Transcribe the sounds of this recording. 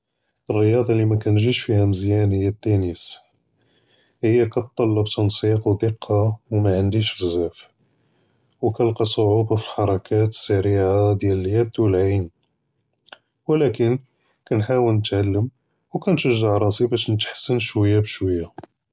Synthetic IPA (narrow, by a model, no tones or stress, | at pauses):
ərːəjɑd̪ˤɑlimækænʒiʃfihæməzjænhəjːæt̪ːænəs | həjːækæt̪ˤːɑlːəbt̪ɑnsiqwd̪əqʰːɑwmæʕənd̪iʃfəzːæf | wkælqɑsˤoʕubafilħɑɾˤɑkʰæt̪ə̥sːæɾiʕad̪jæləljæd̪ulʕijn | wlækən | kænħawəlnət̪ʕalːəm | wkænʃəʒːaʕɾˤɑsibæʃnət̪ħə̥sːənʃwəjːabəʃwəjːa